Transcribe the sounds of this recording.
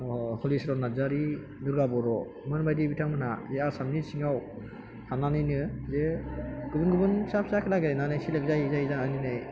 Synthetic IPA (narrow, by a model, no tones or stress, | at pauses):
nɔhɔlisɾɔnazaɾi | nɯɾɡabɔɾɔ | mɯnbajdibitʰaŋmɯnazeasamnisiŋaw | hananɯjnɯzeɡ̥ɯbɯnɡɯbɯnsapʰsakʰilaɡeɾananɯjsilɯk̚zajizaizaŋaninɯj